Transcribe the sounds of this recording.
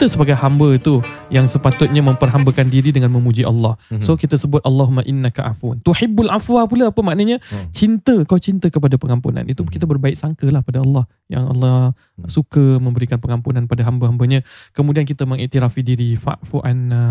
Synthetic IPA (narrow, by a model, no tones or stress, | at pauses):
kit̪əsəbaɡajhambət̪ujaŋsəpat̪ʊt̪̚ɲaməmpərɦambəkandiɾidəŋãnmə̃mud͡ʒiʔa̰lːɑhsokit̪əsəbʊt̪̚ʔɑlːɑɦumaʔinːakaʔa̰funt̪uħibːalʔafuapulaapəmaʔnəɲãt͡ʃint̪əkat͡ʃint̪əkəpadapəŋampṵnã̰nit̪ukit̪əbərbaɪk̚saŋkəlahəpadaɑlːɑh | ja̰ŋɑ̰lːɑ | sukəmə̃mbəɾikanpəŋampunanpadaɦambəɦambəɲãkəmũdiankit̪əmə̃ŋiʔt̪iɾafidiɾifa̰ʔfuʔan